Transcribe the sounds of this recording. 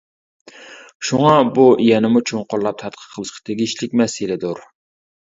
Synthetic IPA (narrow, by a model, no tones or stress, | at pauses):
ʃuŋɑbuijɛnɪmut͡ʃʰoŋqʊɾlˠɑp̚t̪ʰɑt̪̚qʰə̥qʰəlˠɨʃqʰɑ̥t̪ʰeɡʲiʃlɪkʲmɛsɪlɪd̪oɾ